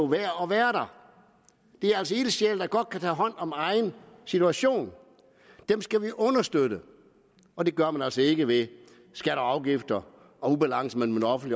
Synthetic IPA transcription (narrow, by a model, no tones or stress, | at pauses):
oʋæːɐɒʋæːɐɾɑ̈ | d̥e̝æɐælsɒel̥əɕel̰d̥ɑ̈ɡ̥ɒ̽d̥̚kʰæt͡sʰɛ̰ːɦɒ̽n̰ɒ̽mɑ̈ɪnsit͡sʰuæɕo̝̰ːn | d̥emsɡ̥æʋiʔɔ̽nɐsd̥øɾ̥ə | ɒ̽de̝ɡ̥ɶɐmænæl̰sɒe̝ɡ̥əʋe̝ | sɡ̥æɾɒɑ̈ʊɡ̥ifd̥ɐ | ɒ̽ub̥ælɑ̈ŋ̰səmenmenɒfn̩d̥li